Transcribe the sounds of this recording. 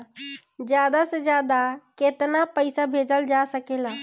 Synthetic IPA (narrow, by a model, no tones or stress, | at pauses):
d͡ʒjad̪ased͡ʒjad̪aket̪napəɪsabʱed͡ʒəld͡ʒasəkela